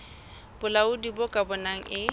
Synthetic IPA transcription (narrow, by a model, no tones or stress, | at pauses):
b̥ʊlaʊdibɔkʼabɔnaŋ̩ʔɪ